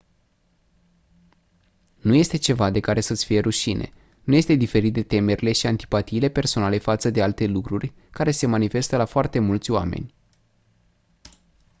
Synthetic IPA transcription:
nuje̞st̪e̞t͡ʃe̞vad̪e̞kaɾe̞sət̪sʲfije̞ɾuʃinʔe̞̰ | nuje̞st̪e̞d̪ife̞ɾit̪̚d̪et̪e̞me̞ɾile̞ʃiant̪i̥pat̪iːle̞pe̞rso̞nale̞fat̪səd̪ealt̪e̞lukɾurʲ | kaɾe̞se̞manife̞st̪əlafoart̪e̞mult̪sʲoa̰mḛnʲ

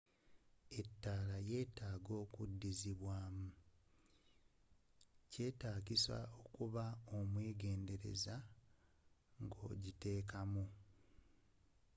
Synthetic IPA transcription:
e̞tːaːlaje̞ːtaːɡo̞ːkudːiziβwaːmu | ce̞ːtaːkisa̰o̞kuβaomweːɡe̞ːnde̞ɾe̞̰za | ŋɡo̰ɟite̞ːkamu

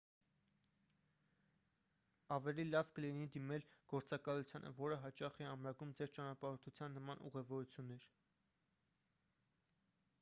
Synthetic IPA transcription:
ɑvɛlilɑvkəlinid̪imɛlɡ̥ɔɾt͡sɑkɑlut͡sʰjɑnʔə̰vɔɾəɦɑt͡ʃɑχɛɑmɾɑɡumd͡zɛɾt͡ʃɑnɑpɑɾɔɾt̪ʰut͡sʰjɑnːəmɑnṵʁɛvɔɾut͡sʰjunːɛɾ

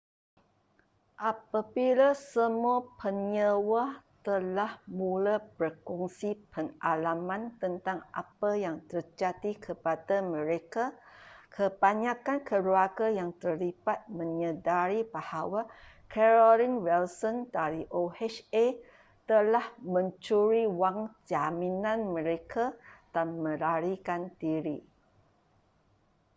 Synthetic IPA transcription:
ʔapabilasəmuapʰənɲəwat̪əlahmulabərkuŋsipənʔalamãnt̪ənt̪aŋʔa̰pajaŋt̪ərd͡ʒat̪ikʰəpadamə̃ɾekakʰəbaɲakankʰəluakajaŋt̪ərlipat̪̚mə̃ɲədaɾibahawa | kʰɛɾɔliŋwɛlsɔndaɾiʔohɛʃe | t̪əlahmə̃ɲt͡ʃuɾiwaŋd͡ʒamĩnãnmə̃ɾekʰad̥anmə̃laɾikant̪iɾḭ

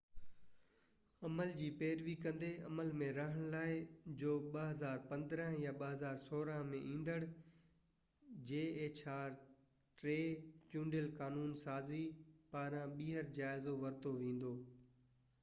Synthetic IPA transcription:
ɐməld͡ʑiːpeːɾʋikɐ̃nd̪eɐməlmẽɾɐɦəɽ̃laːɪd͡ʑoːɓəɦɐzaːɾpɐ̃nd̪ɾə̃ɦjaɓəɦɐzaːɾsoːɾəɦmẽʔĩːn̆d̪əɽ | d͡ʑeːeːt͡ɕaːɾʈɾeːt͡ɕũːɳɖəlkaːnuːnsaːzipaːɾãɓiːɦəɾd͡ʑaːɪzoʋɐɾt̪oʋẽːn̆d̪oː

